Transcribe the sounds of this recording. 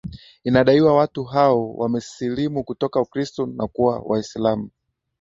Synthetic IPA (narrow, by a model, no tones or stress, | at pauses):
inaɗaiwawatuɦaɔwamɛsilimukutɔkaukɾistɔnakuwa̰wʔaisilamu